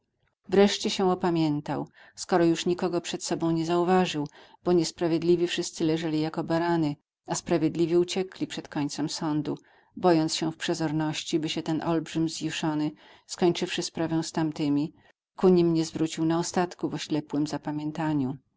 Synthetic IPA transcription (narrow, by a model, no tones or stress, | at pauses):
vɾɛʂt͡ɕɛɕɛ̃ɔpamʲjɛnt̪aw | skɔɾɔjuʂɲikɔɡɔpʂɛt̪sɔbɔ̃w̃ɲɛzauvaʐɘw | b̥ɔɲɛspɾavʲjed̪lʲivʲifʂɘst̪sɘlɛʐɛlʲijakɔbaɾanɘ | aspɾavʲjɛd̪lʲivʲɛut͡ɕɛklʲipʂɛt̪kɔɲʲt̪sɛmsɔnd̪u | bɔjɔnt̪sɕɛfpʂɛzɔɾnɔɕt͡ɕibɘɕɛt̪ɛnʔɔlbʐɘmzjiʂɔnɘ | skɔɲt͡ʂɘfʂɘspɾavɛ̃w̃st̪amt̪ɘmʲi | kuɲimɲɛzvɾut͡ɕiwnaɔst̪at̪kuvɔɕlɛpwɘmzapamʲjɛnt̪aɲu